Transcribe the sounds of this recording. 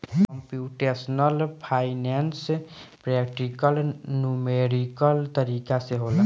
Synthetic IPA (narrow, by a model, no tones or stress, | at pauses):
kəmpjuʈesnəlpʰainɛnspɾɛk̚ʈikəlnumeɾikəlt̪əɾikaseɦola